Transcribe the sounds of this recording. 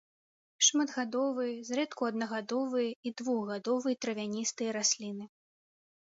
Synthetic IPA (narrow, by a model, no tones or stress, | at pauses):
ʂmad̪ɣad̪ɔvɨjɐzrɛt̪kuɐd̪̚nɐɣad̪ɔvɨjɐid̪vuɣɣad̪ɔvɨjt̪ɾɐvʲanʲist̪ɨjɐɾasʲlʲinɨ